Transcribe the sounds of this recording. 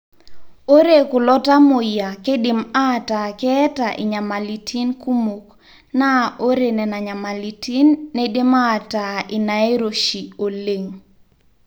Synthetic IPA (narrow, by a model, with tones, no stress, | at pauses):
o˦ɾe˨kʊ˨lɔ˦ta˦mo˨ja˨ke˦dɪ˨ma˦ta˨kɛ˦ta˨ʔɪ̰˨ɲa˨ma˨li˨tʰi˦nku˦mu˨k | na˦o˦ɾe˨nɛ˨na˨ɲa˨ma˨li˨ti˦nːe˦de˦ma˦˨taɪ˨na˨e˦ɾo˨ʃi˨o˨le˨ŋ